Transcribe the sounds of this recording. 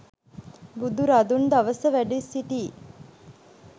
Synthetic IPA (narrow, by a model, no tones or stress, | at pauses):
bud̪uɾad̪und̪aʋəsəʋæɖisiʈ̪iː